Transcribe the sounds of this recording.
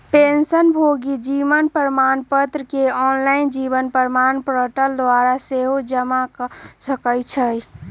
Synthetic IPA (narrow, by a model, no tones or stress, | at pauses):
pensənbʱoɡid͡ʒiʋənpəɾəmanpət̪ɾəkeɔnlaɪnd͡ʒibənpəɾmanpɾəʈəld̪waɾaseɦod͡ʒəmaksəkəjt͡ʃʰəj